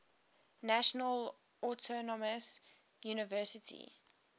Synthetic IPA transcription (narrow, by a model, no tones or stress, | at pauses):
naʃɔnəl | ɔtʰɔnɔməs | juːnɪvɜːˑsɪtʰḭ